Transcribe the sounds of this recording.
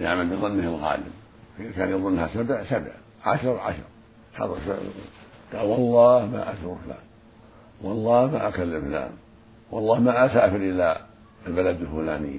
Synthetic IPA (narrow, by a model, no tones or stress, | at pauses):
jaʕmalbɨðˤɨnːɪhɪlɣɑ̰ːlɪ̰m | ikaːnjɑðˤʊnːahasabsabʕ | ʕa̰ʃɾˤʕa̰ʃɾˤ | ħɑ̰t̪ˤs | ɡ̥ɑlwɑlˤːɑːhma̰ːʔasʊɾfla̰ːm | wɑlˤːɑːhmaʔakalːɪmfla̰ːm | wɑlˤːɑːhmaʔasaːfɪɾʔɪlːa | lbalad̪ɪlfulaːnɪ̰jː